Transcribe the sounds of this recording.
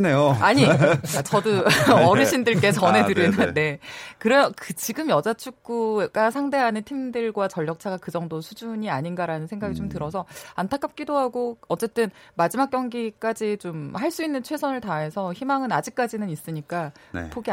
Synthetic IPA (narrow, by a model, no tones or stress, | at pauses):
neoaɲiat͡ɕʌduʌɾɯɕʰindɯɭk͈e̞t͡ɕʌne̞tɯɾinɯne̞kɯɾekɯt͡ɕiɡɯmjʌd͡ʑat͡ɕʰuk̚k͈uɡ̥asʰaŋde̞ɦanɯntʰimdɯɭɡwat͡ɕʌʎːʌk̚t͡ɕʰaɡakɯd͡ʑʌŋdosʰud͡ʑuɲiaɲinɡaɾanɯnsʰe̞ŋɡaɡit͡ɕomtɯɾʌsʰʌantʰak͈ap̚k͈idoɦaɡoʌt͡ɕ͈e̞t͈ɯnmad͡ʑimak͈̚jʌŋɡik͈ad͡ʑit͡ɕomhaɭs͈uinːɯnt͡ɕʰwe̞sʰʌnɯɭtae̞sʰʌçimaŋɯnad͡ʑik̚k͈ad͡ʑinɯnis͈ɯɲik͈a̰pʰoɡi